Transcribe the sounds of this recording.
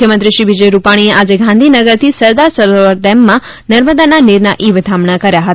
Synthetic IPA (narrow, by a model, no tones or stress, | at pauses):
jəmənt̪ɾiʃɾiʋid͡ʒəjɾupaɽ̃ieʔad͡ʒeɡʱãnd̪ʱinəɡəɾt̪ʰisəɾd̪aɾsəɾoəɾd̪ɛmːã | nəɾməd̪ananiɾnaʔiʋd̪ʱamɳakəɾjaɦət̪